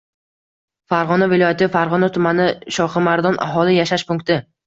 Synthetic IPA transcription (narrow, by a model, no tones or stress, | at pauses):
faɾʁɒnavɪlˠɒjat̪ʰɪfaɾʁɒnat̪ʰʊmanɪʃɒχɨmaɾd̪ɒnʔa̰ɦɒlˠɪjaʃaʃpʊŋk̚t̪ʰɪ